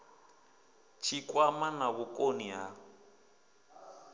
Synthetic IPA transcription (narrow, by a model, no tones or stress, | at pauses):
t͡ʃʰikʼwamanaβukʼoniɦa